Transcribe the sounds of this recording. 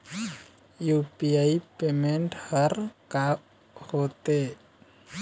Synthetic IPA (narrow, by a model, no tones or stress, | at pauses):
jupiaipemɛnɖharka | hot̪e